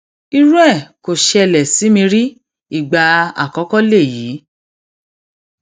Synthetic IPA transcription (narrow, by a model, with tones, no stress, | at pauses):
i˧ɾũ˦ɛ˦˨ko˨ʃɛ˧˨lɛ˨si˨˦mĩ˧ɾi˦ | i˦˨ɡ͡ba˧a̰˨kɔ˨˦kɔ˦le˦˨jiː˨˦